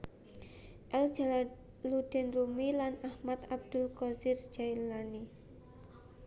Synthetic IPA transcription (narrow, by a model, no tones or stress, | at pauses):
ʔɛl̥d͡ʒal | lud̪̥ɛnrumilanahmat̪ab̚d̪̥ʊ̤lkɔzir̥d͡ʒ̥ajlani